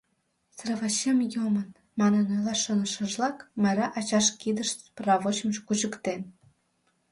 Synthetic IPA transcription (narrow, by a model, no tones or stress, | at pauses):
srəvɑɕemjomən | mɑnənolɑʃonəʃə̆ʒlɑkmɑjɾɑʔɑt͡ɕɑʃkid̪əʃprɑβot͡ɕməʃkuʑəkt̪en